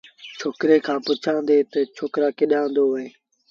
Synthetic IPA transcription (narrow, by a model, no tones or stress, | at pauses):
t͡ʃʰoːkɾeːkʰãːpʊt͡ʃʰãːnd̪eːt̪ət͡ʃʰoːkɾaːkɪɗãːnd̪oːɦoeː